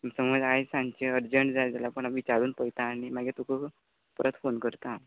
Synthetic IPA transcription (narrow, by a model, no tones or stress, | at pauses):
səməd͡zajsãɲt͡ɕeəɾd͡ʑəɳʈd͡zad͡zalapəɳ̃aʋit͡ɕaɾuːnpəjt̪aːñimaɡet̪okʰə | pəɾət̪fonkəɾt̪a